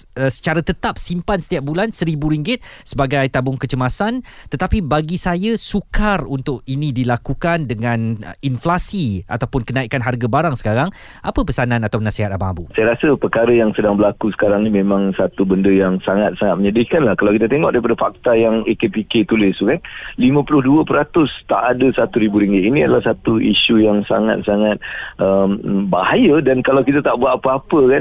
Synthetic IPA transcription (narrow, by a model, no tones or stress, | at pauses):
əsə̥t͡ʃaɾat̪ət̪ap̚simpansə̥t̪iap̚bulansəɾibuɾiŋɡɪt̪̚səbaɡajt̪abʊŋkət͡ʃəmasant̪ət̪apibaɡisajasukarunt̪ʊkinĩdilakukandəŋãninflasia̰t̪awpʊnkənaikanɦarɡabaɾaŋsə̥kaɾaŋ | ʔapəpəsanãnat̪awnasiɦat̪̚abaŋabusajaɾasəpərkaɾəjaŋsədaŋbəlakusə̥kaɾaŋnimẽmãŋsat̪ubəndəjaŋsaŋat̪̚saŋat̪̚məɲədikanlahkalawkit̪at̪eŋɔ̰ʔ̚daɾipadəfak̚t̪ajaŋekepiket̪ulɪst̪ukanlimə̃pulʊhduəpəɾat̪ʊst̪a̰ʔadəsat̪uɾibuɾiŋɡiiniadəlahsat̪uʔiʃujaŋsa̰ŋa̰t̪̚saŋat̪̚ʔəmbahajədankalawkit̪at̪aʔbuat̪̚ːapəapəkan